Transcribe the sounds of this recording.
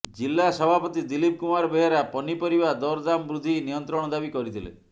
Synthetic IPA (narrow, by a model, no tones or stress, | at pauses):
d͡ʒilːasɔbʱapɔt̪id̪ilip̚kumaɾbeɦɾapɔnipɔɾibad̪ɔɾd̪amɔbɾud̪ʱinijɔnt̪ɾɔɽ̃ɔd̪abikɔɾit̪ʰilḛ